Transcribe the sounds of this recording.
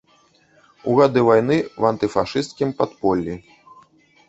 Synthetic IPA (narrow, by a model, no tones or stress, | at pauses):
uɣad̪ɨvajnɨwɐnt̪ɨfaʂɨst̪kʲimpat̪pɔlʲːi